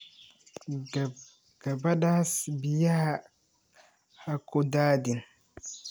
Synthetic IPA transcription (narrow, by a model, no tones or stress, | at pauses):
ɡ̥abadasbijaha | hakʰodaːdin